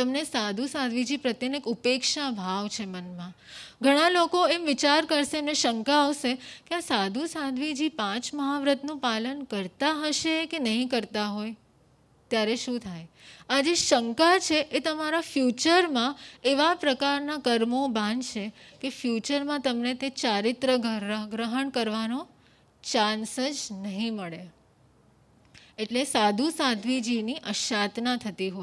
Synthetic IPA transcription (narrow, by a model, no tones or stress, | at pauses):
t̪əmnesad̪ʱusad̪ʱʋid͡ʒipɾət̪jənekupekʃabʱaʋt͡ʃʰemənmã | ɡʱəɽ̃ãlokoemʋɪt͡ʃaɾkəɾʃeemneʃəŋkaːʋʃekeasad̪ʱusad̪ʱʋid͡ʒipãt͡ʃməɦaʋɾət̪nũpalənkəɾt̪aɦəʃekenəɦĩkəɾt̪aɦoj | t̪jaɾeʃũt̪ʰajad͡ʒeʃəŋkat͡ʃʰeʔet̪əmaɾafjut͡ʃəɾmãeʋapɾəkaɾnakəɾmobãnd̪t͡ʃʰekefjut͡ʃəɾmãt̪əmnet̪et͡ʃaɾɪt̪ɾəɡʱəɾɡɾəɦəɳkəɾʋanõ | t͡ʃãnsəd͡ʒnəɦĩməɭe | eʈlesad̪ʱusad̪ʱʋid͡ʒiniʔəʃat̪nãt̪ʰət̪iɦo